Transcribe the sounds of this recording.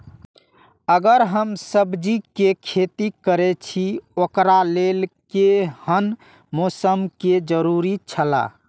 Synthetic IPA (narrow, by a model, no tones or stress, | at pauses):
əɡəɾɦəmsəbd͡ʒikekʰet̪ikəɾet͡ʃʰiokɾalelkehən | mosəmked͡ʒəɾuɾit͡ʃʰəla̰